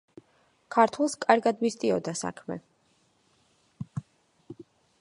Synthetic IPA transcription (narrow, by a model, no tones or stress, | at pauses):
kʰaɾt̪ʰwɛlˠskʼaɾɡad̪mist̪ʼiɔd̪asa̰kʰmɛ̰